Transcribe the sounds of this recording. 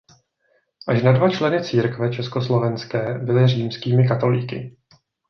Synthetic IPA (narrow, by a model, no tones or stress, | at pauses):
ʔaʃnadvat͡ʃlɛnɪt͡siːɾkvɛt͡ʃɛskoslo̞vɛnskɛːbɪlɪriːmskiːmɪkat̪o̞liːkɪ̰